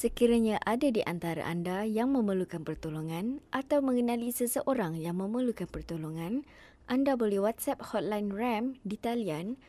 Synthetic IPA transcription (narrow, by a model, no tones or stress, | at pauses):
səkiɾaɲãʔadadiʔant̪aɾa̰ʔandajaŋmə̃məlukanpərt̪oloŋãnʔat̪awmə̃ŋənãlisəsəʔoɾaŋjaŋmə̃məlukanpərt̪oloŋãn | ʔandabolɛhwat̪̚sɛp̚hɔt̪̚lajnrɛmdit̪alian